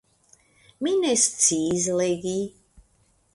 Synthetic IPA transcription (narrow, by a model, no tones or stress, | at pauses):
minɛst͡sizleɡi